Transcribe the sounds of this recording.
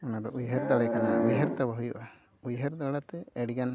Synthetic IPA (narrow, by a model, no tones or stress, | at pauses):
ɔnad̪ɔʔujɦɛɾd̪aɽɛkanaaʔujɦɛɾt̪abaɦujɔʔa | ujɦɛɾd̪aɽat̪ɛɛɽiɡan